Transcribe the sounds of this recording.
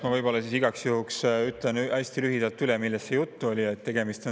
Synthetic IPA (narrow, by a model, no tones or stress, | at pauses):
mɑvɤjbo̞lːɑsisiɡ̥ɑksjuhuksyt̪lenʔæsʲt̪ilyɦid̪̥ɑlt̪ːˑylemilːest̪se̞jut̪ːuolʲiet̪ːe̞ɡ̥e̞mist̪o